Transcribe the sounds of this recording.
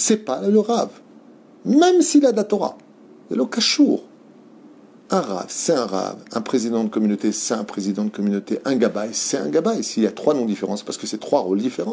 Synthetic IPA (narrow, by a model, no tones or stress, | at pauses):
sɛpaləʁav | mɛmsilad̪at̪ɔʁa̰ | ja̰lɔkaʃuʁ | ɛ̃ʁa̰vsɛɛ̃ʁa̰vɛ̃pχezid̪ɑ̃d̪əkɔmynot̪esɛɛ̃pχezid̪ɑ̃d̪əkɔmynot̪eʔɛ̃ɡabajsɛɛ̃ɡabajsiːljat̪χwanɔ̃d̪ifeʁɑ̃spaʁsə̥kəsɛt̪χwaʁold̪ifeʁɑ̃